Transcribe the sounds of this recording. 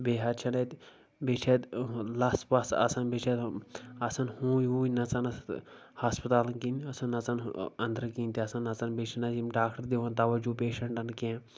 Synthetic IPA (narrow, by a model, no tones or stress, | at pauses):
beːɦɐɾt͡ʃʰɐnɐt̪ | beːt͡ʃʰet̪lɐspɐsɐ̰sɐnbet͡ʃʰet̪ɐsɐnhũːjuːnɐt͡sɐnɐshaspɐt̪aːlɐnkinɐsɐnɐt͡sɐnɐnd̪əɾkinʲt̪iɐsɐnɐt͡sɐnbeːt͡ʃʰinɐzimɖaːkʈɐɾd̪eʋɐnt̪ɐʋɐd͡ʒupeːʃɐɳʈɐnkẽː